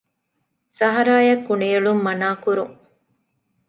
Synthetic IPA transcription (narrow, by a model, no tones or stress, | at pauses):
sɐɦɐɾaːjɐkːunejɐɭumːɐnaːkuɾṵŋ